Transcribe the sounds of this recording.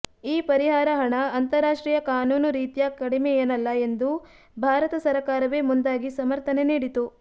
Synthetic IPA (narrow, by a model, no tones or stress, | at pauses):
iːpɐɾiɦaːɾɐɦɐɳɐːnt̪ɐɾaːʂʈɾiːjɐkaːnuːnuɾiːt̪ijɐkɐɽimejɐnɐlːɐe̞nd̪u | bʱaːɾɐt̪ɐsɐɾɐkaːɾɐʋeːmund̪aːɡisɐmɐɾt̪ɐneniːɽit̪u